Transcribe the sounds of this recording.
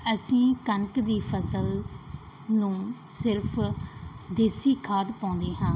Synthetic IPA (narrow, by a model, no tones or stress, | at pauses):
əsĩːkəŋkd̪iːpʰəsəl | nũː | sɪɾpʰ | d̪eːsiːkʰaːd̪pãːʊ̃nd̪eːɦãː